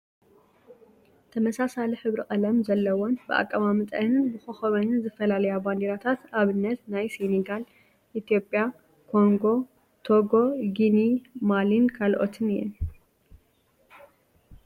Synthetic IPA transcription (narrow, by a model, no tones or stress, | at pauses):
t̪ʰɐmɐsasaliħɨβɾikʼɐlɐmzɐlːɐwonbɨʔa̰kʼːɐβamɨt̪ʼɐ̰nɨnbɨxoxɐβɐnɨnzɨfɐlalɐjaband̪iɾat̪ʰat̪aβɨnːɐt̪najseneɡal | ʔit̪ʰijo̞pʼja | kʰo̞ŋɡo̞ | t̪ʰoɡo̞ɡinimalinkʰalʔot̪ʰɨnjɛ̰n